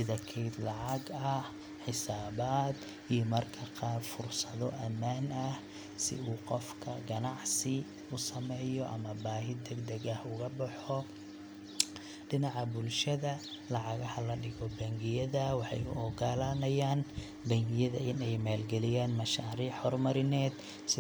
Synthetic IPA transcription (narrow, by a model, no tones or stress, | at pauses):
ɪðɐkʰɛjd̪lɑʕɑɡɐh | ħɪsaːβaːd̪ | ijɔmɐrkʰɐqɑːrfʊrsɐðɔʔɐmːaːnɐh | sɪ̰uːqɔfkʰɐ̰ɡɐnɑʕsɪ | ʊsɐmɛjɔʔɐ̰mɐbaːɦɪd̪ɛɡd̪ɐɣɐhʊɣɐbɐħɔ | ɖɪnɑʕɑbʊlʃɐðɐ | lɑʕɑɣɐhɐlɐɖɪɣɔbɐŋɡɪjɐðɐwɑħɑ̰jʊ̰ɔɡɐlaːnɐjaːn | bɐŋɡɪjɐðɐʔɪnɛjmaːlɡɛlɪjaːnmɐʃaːɾiːħhɔːrmɐɾɪnɛːd̪ | sɪ